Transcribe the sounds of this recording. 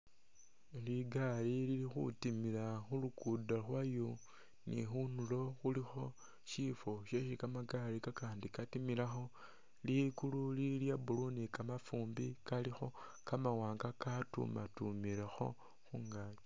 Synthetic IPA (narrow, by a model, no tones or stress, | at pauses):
liɡalililixṵtimilaxulukudalwajo | nḭxunulo̞xulixo̞ | ʃifo̞ʃeʃikamaɡalikakaːndikatimilaxo̞ | likululiljabulunikamafuːmbikalixo̞ | kamawaːŋɡakatṵmatumiɾexo̞̰ | xuŋɡat͡ʃo